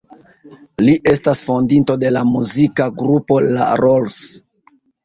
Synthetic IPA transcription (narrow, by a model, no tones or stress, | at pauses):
liʔe̞stasfo̞ndinto̞de̞lamuzikaɡɾupo̞la̰ɾols